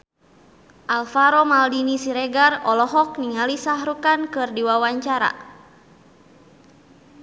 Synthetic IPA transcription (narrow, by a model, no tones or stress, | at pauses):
ʔalfaɾɔmaldinisiɾɛɡarɔlɔɦɔk̚niŋalisaɦɾukankɨrdiwawaɲt͡ʃaɾa̰